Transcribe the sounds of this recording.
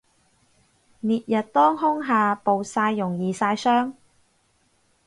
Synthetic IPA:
niː˨t̚jɐ˨t̚t̪ɔː˥ŋɦʊ˥ŋɦaː˨po˨wsaː˧jːʊ˨˩ŋjiː˨saː˧jsœː˥ŋ

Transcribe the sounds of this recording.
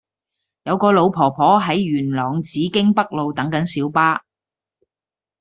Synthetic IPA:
jɐ˨˧wkɔː˧lo˨˧wpʰɔː˨˩pʰɔː˨˥ɦɐ˨˥jɥyː˨˩nlɔː˨˩ŋt͡siː˨˥kɪ˥ŋpɐ˥k̚lo˨wt̪ɐ˨˥ŋkɐ˨˥nsiː˨˥wpaː˥

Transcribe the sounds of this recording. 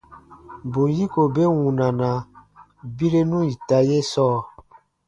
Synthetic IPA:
bo˨ji˦ko˨be˦wũ˨nã˨nã˨ | bi˦ɾe˦nũ˦i˨ta˨je˦sɔː˦

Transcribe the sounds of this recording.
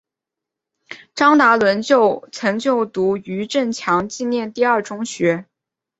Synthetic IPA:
ʈ͡ʂɑ˥ŋt̪a˧˥lwə˧˥nt͡ɕjo˥˩ʊt͡sʰɤ˧˥ŋt͡ɕjo˥˩ʊt̪u˧˥y˧˥ʈ͡ʂə˥˩nt͡ɕʰjɑ˧˥ŋt͡ɕi˥˧njɛ˥˧nt̪i˥˧ɐ˞˥˩ʈ͡ʂʊ˥ŋɕɥɛ˧˥

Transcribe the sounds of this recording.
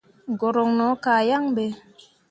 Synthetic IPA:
ɡɔ˨ɾɔ˨ŋnɔ˨˦ka˨ja˦ŋbe˨

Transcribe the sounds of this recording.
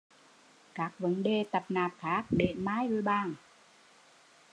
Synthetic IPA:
kaː˨˦˥k̚wə˨˦ŋdeː˧˩˨t̪a˧˩p̚naː˧˩p̚kʰaː˨˦˥k̚de˧˩ʔmaː˦˥˨jlu˧jbaː˧˩ŋ

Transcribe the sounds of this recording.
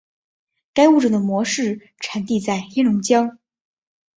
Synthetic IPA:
ka˥ɪu˥˩ʈ͡ʂə˨˩d̪ə˩mwɔ˧˥ʂɻ̩˥˩ | ʈ͡ʂʰa˨˩˥nt̪i˥˧t͡sa˥˩ɪxɛ˥nʊ˧˥ŋt͡ɕjɑ˥ŋ

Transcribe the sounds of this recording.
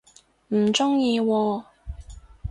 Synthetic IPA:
m̩˨˩t͡ʃʊ˥ŋjiː˧wɔː˧

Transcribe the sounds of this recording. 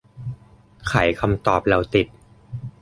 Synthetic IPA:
kʰa˩˦jkʰa˧mt̪ɔː˨˩p̚ɾa˧wt̪i˨˩t̪̚

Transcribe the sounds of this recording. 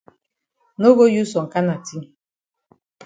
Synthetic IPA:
no˦ɣo˦ju˦sɔ˨ŋ̩˨ka˦na˨ti˦

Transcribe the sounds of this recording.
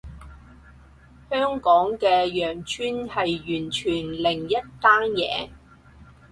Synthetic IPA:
hœː˥ŋkɔː˨˥ŋkɛː˧jœː˨˩ŋt͡ʃʰyː˥nhɐ˨jːyː˨˩nt͡ʃʰyː˨˩nlɪ˨˩ŋjɐ˥t̚t̪aː˥njɛ̰ː˨˧

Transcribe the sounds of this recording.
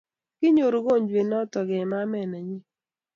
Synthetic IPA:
kɪ˦ɲo˨ɾo˨ɡo˦˨ɲd͡ʒwe˨nɔ˦tɔ˨ɡɛ˨ma˦mɛ˦˨nɛ˨ɲi˦

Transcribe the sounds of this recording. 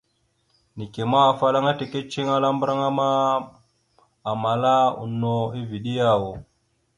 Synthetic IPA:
ni˨ke˨maː˦˨fa˦la˦ŋa˦te˨ke˦t͡ʃi˦ŋa˦la˦mbɾa˦ŋa˦ma˦˨ | ma˨la˦ṵ˨nːo˦˨i˦vi˨ɗi˦ja˦˨wo˨

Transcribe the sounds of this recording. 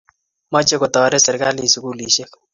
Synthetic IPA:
mɔ˦t͡ʃe˦ko˨tɔ˨ɾɛ˦sɛ˨ɾka˦li˨su˨ku˨li˨ʃe˦k

